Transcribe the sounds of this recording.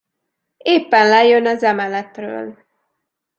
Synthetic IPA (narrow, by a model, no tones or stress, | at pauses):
eːpːɛnlɛjønɒzɛmɛlɛt̪rø̰ːl